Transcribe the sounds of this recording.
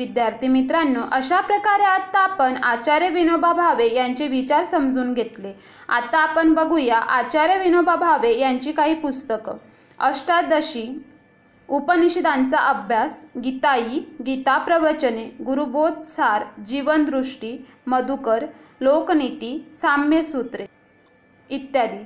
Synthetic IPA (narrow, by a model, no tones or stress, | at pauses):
ʋid̪jaɾt̪ʰimit̪ɾãnːoʔəɕapɾəkaɾeat̪ːaːpənat͡ɕaɾjəʋinobʱabʱaʋejaɲt͡seʋit͡ɕaɾsəmd͡zuːnɡʱet̪le | a̰t̪aːpəɳbəɡʱujaʔat͡ɕaɾjəʋinobʱabʱaʋejaɲt͡ɕiːkaɦiːpust̪ək | əsʈad̪əɕi | upəniɕid̪ãnt͡saʔəbʱjasɡit̪ajiɡit̪apɾəʋət͡ɕəneɡuɾubot̪̚saɾd͡ʑiʋənd̪ɾuʂʈi | məd̪ukəɾ | loknit̪isamjesut̪ɾe | it̪jad̪iː